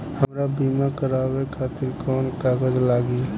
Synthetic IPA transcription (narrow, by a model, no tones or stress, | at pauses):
həmɾabiːmakəɾaːwekʰaːt̪ɪɾkɔːnkaːɡəd͡ʒlaːɡi